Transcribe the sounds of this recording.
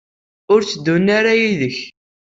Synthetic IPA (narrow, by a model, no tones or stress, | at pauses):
ʊɾt͡sːəd̪ːunːaɾajiðəç